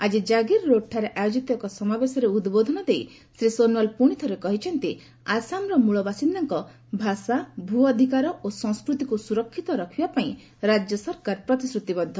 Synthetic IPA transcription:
ad͡ʒid͡ʒaɡiɾɾoʈʰaɾeʔajod͡ʒit̪ɔbakɔsɔmabesɔɾeud̪bod̪ʱɔnɔd̪ej | sɾisonwalpuɽ̃it̪ʰɔɾekɔɦit͡ʃʰɔnt̪i | asamɾɔmuɭɔbasinːaŋkɔ | bʱasabʱuɔd̪ʱikaɾɔosɔ̃ŋskɾut̪ikusuɾɔkʰːit̪ɔɾɔkʰibapaĩ | ɾad͡ʒjɔsɔɾkaɾpɾɔt̪isɾut̪ibɔd̪ʱːɔ

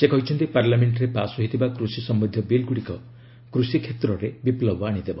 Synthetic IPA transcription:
sekɔɦit͡ʃʰɔnt̪ipaɾlameɳʈɾepasɔɦit̪ʰibakɾusisɔmbid̪ʱjɔbilɡuɽikɔ | kɾusikʰet̪ɾɔɾebiplɔbɔaɽ̃id̪ebɔ

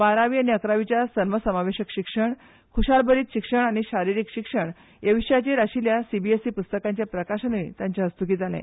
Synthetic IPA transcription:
baɾaʋiːañiəkɾaʋit͡ɕjasənʋəsəmaʋeɕəkɕikʂəɳ | kʰuɕalbəɾiːt̪ɕikʂəɳ̃aɽ̃iɕaɾiɾiːkɕikʂəɳ | jeʋiɕjat͡ɕeɾaɕiljasibiesiːpust̪əkaɲt͡ɕjapɾəkaɕənʋḭ̃t̪jãɲt͡ɕjaəst̪ukiːd͡zalɛ̰̃

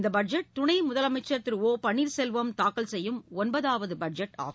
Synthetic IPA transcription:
nd̪ɐbɐɖd͡ʒɛʈ̚t̪ʊɳɐɪmʊðɐlɐmɐɪt͡ʃːɐt̪ːɪɾoːpɐɳːiːɾsɛlʋɐmt̪aːkɐlsɛjːɯmɔnbɐðaːʋɐðɯbɐd͡ʒɛʈːa̰ːɣ

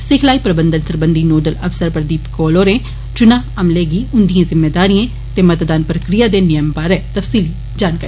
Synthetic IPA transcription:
sɪkʰlaːiːpɾəbənd̪ənsəɾbənd̪iːnoːɖələfsəɾpəɾd̪iːpkoːloːɾẽː | t͡ʃʊnãːəmleːɡiːʊnd̪ijãːzɪmːeːd̪aːɾĩjãː | t̪eːmət̪d̪aːnpɾəkɾɪjaːd̪eːnɪjəmbaːɾɛːt̪əfʰsiːliː | d͡ʒaːnkaːɾi

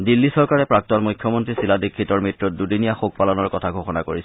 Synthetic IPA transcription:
dilːisɔɹkaɹɛpɹak̚tɔnmujkʰjɔmontɹisiladikʰːitɔɹmitɹɔt̚dudinijaxok̚palɔnɔɹkɔtʰaɡʱoxɔnakoɹis

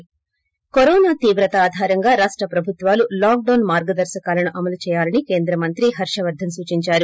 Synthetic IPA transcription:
koɾɔːnaːt̪iːʋɾɐt̪ɐaːd̪ʱaːɾɐŋɡaːɾaːʂʈɾɐpɾɐbʱut̪ʋaːlulaːk̚ɖɐwnmaːɾɡɐd̪ɐɾʃɐkaːlɐnuʔɐmɐlut͡ʃɛːjaːlɐnike̞ːnd̪ɾɐmɐnt̪ɾiɦɐɾʂɐʋɐɾd̪ʱːɐmsuːt͡ʃiɲt͡ʃaːɾu

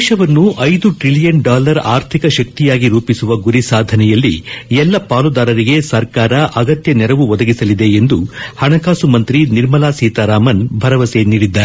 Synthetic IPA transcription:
deːʃɐʋɐnːuʔɐjd̪uʈɾilijɐnɖaːlɐɾaːɾt̪ʰikɐʃɐk̚t̪ijaːɡiɾuːpisuʋɐɡuɾisaːd̪ʱɐnɛjɐlːḭɛlːɐpaːlud̪aːɾɐɾiɡe̞sɐɾkaːɾɐʔɐɡɐt̪jɐnɛɾɐʋuʋɔd̪ɐɡisɐlid̪e̞end̪uhɐɳɐkaːsumɐnt̪ɾiniɾmɐlaːsiːt̪aɾaːmɐnbʱɐɾɐʋɐseniːɽid̪ːɐ

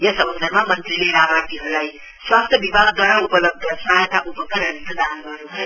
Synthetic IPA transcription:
jʌsʌbʌnsʌrmamʌnt̪rileɾamat̪iɦʌɾulaj | swast̪ʰjʌbibʱaɡd̪wʌɽaupʌlʌb̚d̪ʱʌsat̪aʔupʌkʌɾʌniʌd̪anɡʌrnuɦʌ

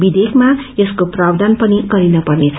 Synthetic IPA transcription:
bid̪ekʰmaeskoprabd̪anpʌniɡʌɾinʌpʌrnet͡sʰʌ

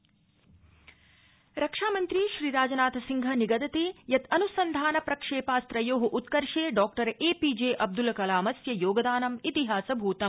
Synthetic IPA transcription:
ɾɐkʂaːmɐnt̪ɾiʃɾiːɾaːd͡ʒɐnaːt̪ʰɐsiŋɡʱɐniɡɐd̪ɐt̪ijɐt̪ɐnusɐnd̪ʱaːnɐpɾɐkʂeːpaːst̪ɾɐjoːɦɐʔut̪kɐɾʂeːɖɔːkʈɐɾeːpiːd͡ʒeːʔɐb̚d̪ulɐkɐlaːmɐsjɐjoːɡɐd̪aːnɐmit̪iɦaːsɐbʱuːt̪ɐm

